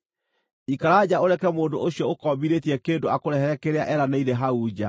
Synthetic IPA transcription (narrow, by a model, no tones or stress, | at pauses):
ikaɾaːd͡ʑaoɾɛkɛmoːndoʔoɕjɔokɔmbiɾetiɛkeːndoakoɾɛhɛɾɛkeɾeaʔɛɾaneiɾɛɦauːd͡ʑa